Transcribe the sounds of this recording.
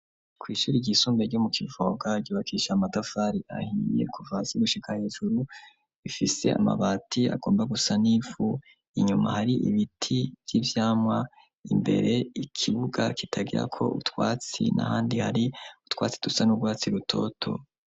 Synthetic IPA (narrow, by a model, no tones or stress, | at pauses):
kʰwiːʃuːɾiɟisuːmbeɾɟomukʰivo̞ɡaɟuːβakʰiːʃamatafaːɾiʔa̰hiḛkʰuvasiɡuʃikʰahe̞ːʒuɾu | βifise̞̰a̰ma̰βaːtʰia̰ɡ̥oːmbaɡusaniːvu | iɲumahaɾiʔḭβitʰivjivjaːmŋwa | imbe̞̰ɾʔe̞ikʰiβuɡakitʰaɡiɾa̰kʰo̞̰ṵtwaːt͡sḭnʔa̰haːndihaɾiu̥twa̰ːt͡si̥d̥usanubɡwaːt͡siɾutʰo̞̰tʰo̞̰